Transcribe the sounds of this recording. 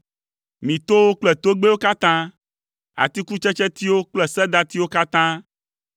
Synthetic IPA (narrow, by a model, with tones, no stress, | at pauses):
mĩ˨t̪o˦wo˦k͡plɛ˨t̪o˦ɡ͡be˦wo˦ka˦t̪ã˦ | a̰˨t̪i˦ku˦t͡ʃɛ˦t͡ʃɛ˦t̪i˦wo˦k͡plɛ˨sɛ˦d̪a˦t̪i˦wo˦ka˦t̪ã˦